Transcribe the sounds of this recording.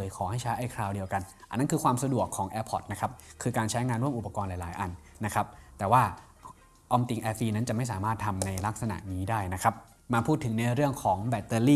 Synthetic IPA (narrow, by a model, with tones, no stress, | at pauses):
ɤː˨˦jkʰɔː˩˦ɦa˥˩jt͡ɕʰa˦˥jʔa˧˩jkʰɾaː˧wdi˧əwka˧nʔa˨nːa˥nkʰɯː˧kʰwaː˧msa˧du˨˩əkʰːɔː˩˦ŋʔɛː˧pʰɔ˨˩t̪̚na˦˥kʰa˦˥p̚kʰɯː˧kaː˧nt͡ɕʰa˦˥jŋaː˧nɾu˥˩əmʔu˨˩pːa˧kɔː˧nlaː˨˦jla̰ː˩˦jʔa˨˧n | na˦˥kʰa˦˥p̚t̪ɛː˨˩waː˥˩ | ʔɔ˧mt̪i˧ŋʔɛː˧fiː˧na˦˥nt͡ɕa˨˩ʔma˥˩saː˩˦maː˥˩t̪ʰːa˧mna˧jla˦˥k̚sa˧na̰˨˩ʔniː˦˥daː˥˩jna˦˥kʰa˦˥p̚ | ma˧pʰuː˥˩t̪ʰːɯ˩˦ŋna˧ɾɯ˥˩əŋkʰɔː˩˦ŋbɛ˨˩t̪ːɤː˧liː˥˩